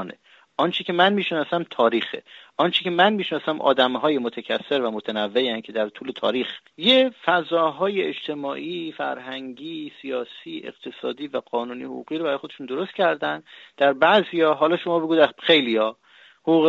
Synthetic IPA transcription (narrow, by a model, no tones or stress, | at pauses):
nḛ | ʔɒnt͡ʃʰecʲʰe̞mænmiːʃnɒːsæmt̪ʰɒːɾiːxḛʔɒnt͡ʃʰecʰe̞mænmiːʃnɒːsæmʔɒ̰ːd̪æmɦɒːjemot̪ʰæcʰæsːe̞ɾvæmot̪ʰænævːeæŋcʰe̞d̪æɾt̪ʰuːle̞t̪ʰɒ̰ːɾiːx | jefæzɒːɦɒːjeed͡ʒt̪ʰe̞mɒːʔifæ̰ɾɦæŋɟiːsijɒːsiːʔe̞̰qt̪ʰe̞sɒ̰ːd̪iːvæɢ̥ɒːnuːnḭho̰ɣṵːɣiːɾobæɾɒːjxod̪eʃund̪o̞ɾost̪̚cʰæɾd̪ænd̪d̪̥æɾbæzijɒːɦɒːlɒːʃo̞mɒːbe̞ɡuːd̪æxe̞jlijɒː | houːɣ